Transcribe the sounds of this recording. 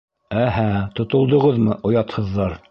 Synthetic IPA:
æɦæt̪ŏt̪ŏlˠd̪ŏʁɤðmɤʔŏjɑt̪hɤ̆ðːɑɾ

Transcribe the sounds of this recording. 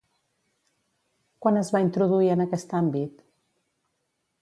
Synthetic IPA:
kwanəzβaint̪ɾuðuiənəkɛst̪ambit̪

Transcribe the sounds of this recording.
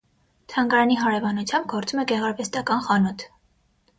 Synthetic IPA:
t̪ʰɑŋɡɑɾɑniɦɑɾɛvɑnut͡sʰjɑmb̚ɡɔɾt͡sumɛɡɛʁɑɾvɛst̪ɑkɑnχɑnut̪ʰ

